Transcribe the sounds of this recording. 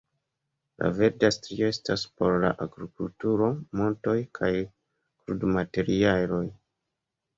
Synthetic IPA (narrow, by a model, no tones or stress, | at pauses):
lʔa̰ve̞ɾdastɾio̞e̞staspo̞ɾlaʔaɡɾikultuɾo̞mo̞nto̞jkʰaj | kɾudmate̞ɾialo̞j